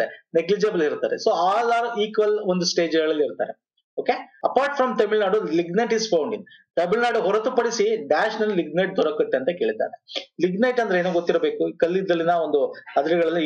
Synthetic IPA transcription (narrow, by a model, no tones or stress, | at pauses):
eneɡlid͡ʒɐbɐliɾt̪aːɾḛsoːaːlaːɾiːkʋɐlond̪usʈe̞ːd͡ʒɡɐɭɐlːiɾt̪a̰ːɾe | oːkeɐpaːɾʈfɾɐmʈ̪ɐmilnaːɖuliɡnɐʈispʰɐwɳɖiŋ | ʈ̪ɐmilnaːɖɦɔɾɐt̪upɐɽisiɖaːʃɐnɐlːiliɡ̚nɐjʈ̚d̪ʱɔɾɐkːɐt̪ːeɐnt̪ɐke̞ːɭit̪a̰ːɾeliɡnɐjʈɐnd̪ɾeeːnuːɡot̪ːiɾɐbe̞ːkukɐlːid̪ɐlːinɐond̪uɐd̪ɐliɡɐɭɐlːɐ